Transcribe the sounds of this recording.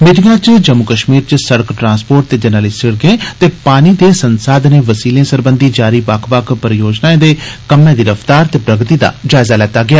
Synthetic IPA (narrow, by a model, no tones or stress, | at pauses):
mɪʈɪŋɡãːt͡ʃd͡ʒəmːʊkəʃmiːɾt͡ʃsəɽəkʈɾãːnspoːɾʈ̚t̪eːd͡ʒənaːliːsɪɽɡẽːt̪eːpaːniːd̪eːsənsaːd̪neːʋəsiːlẽːsəɾbənd̪iːd͡ʒaːɾiːbakʰʋakʰpəɾjoːd͡ʒnaːẽːd̪eːkəmːẽːd̪iːɾəfʰt̪aːɾt̪eːpɾəɡt̪iːd̪a̰ːd͡ʒaːɪzaːlɛːt̪aːɡɪaː